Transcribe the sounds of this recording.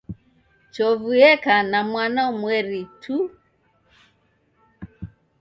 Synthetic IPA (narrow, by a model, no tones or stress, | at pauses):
t͡ʃɔvuɛkanamwanaumwɛɾitʰu